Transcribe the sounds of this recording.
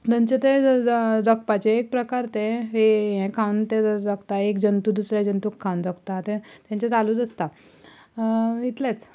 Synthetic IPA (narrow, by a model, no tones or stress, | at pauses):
d̪ə̃ɲt͡ɕet̪ed͡zək̚pat͡ɕeːk̚pɾəkaɾt̪eɦeɦɛ̃kʰawnt̪ed͡zəkt̪aekd͡ʑənt̪ud̪usɾjad͡ʑənt̪ukʰːawnd͡zəkt̪at̪ẽt̪jãɲt͡ɕet͡saluːd̪əst̪a | it̪let͡s